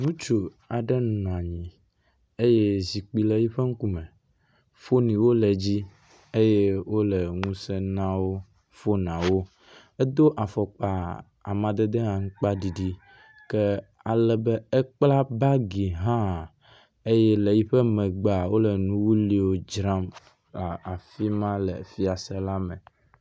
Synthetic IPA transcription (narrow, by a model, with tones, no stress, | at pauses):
ŋũ˦t͡ʃo˨ | a˨ɖɛ˦nu˨nɔ̃˨a˨ɲĩ˨ | e˦je˦zi˨k͡pi˨lɛ˨ji˦ɸə˦ŋ̩˦ku˦mɛ̃˨ | fo˦nĩ˨wo˦lɛ˨d͡ʑi˦ | e˦je˦wo˦lə˨ŋũ˦sɛ˦nã˦wo˦ | fo˦nã˨wo˦ | e˦d̪o˦ʔa˨fɔ˨k͡pa˨ | a̰˨mã˨d̪e˦d̪e˦ɦã˨ŋ̩˦k͡pa˦ɖi˨ɖi˦ | kɛ˦ | a˨lɛ˨bɛ˦ɛ˦k͡pla˦ba˦ɡi˨ɦã˦˨ | e˦jɛ˦le˨ji˦ɸɛ˦mɛ̃˨ɡ͡ba˨wo˦lɛ˨nũ˦wu˦li˦wo˦d͡ʒɾã˦m | la˨a˨fi˦mã˦lɛ˨fi˦a˨sɛ˦la˦mɛ̃˨